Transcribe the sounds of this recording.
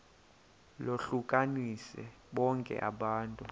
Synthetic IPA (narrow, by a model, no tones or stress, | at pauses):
loɬukʼanisɛ̰ | ɓɔŋkʼɛ̰ʔa̰ɓaːntʼu